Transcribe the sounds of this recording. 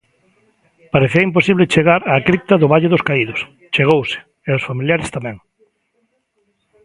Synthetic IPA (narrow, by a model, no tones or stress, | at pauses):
paɾeθiɐimp̬osiβlet͡ʃeɣaɾaːkɾip̚t̪aðʊβaʎeðoskaiðos | t͡ʃeɣowse̥ | eaosfamiljaɾest̪amɛ̃ŋ